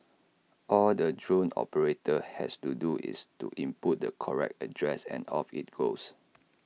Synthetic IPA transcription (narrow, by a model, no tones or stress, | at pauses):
ʔɔldədɹõnɔ̰pəɹetʰəhɛ̰studuʔḭstṵʔĩmput̚dəkʰɔɹɛ̰k̚tədɹɛsɛ̰̃nɔfit̚ɡ̥os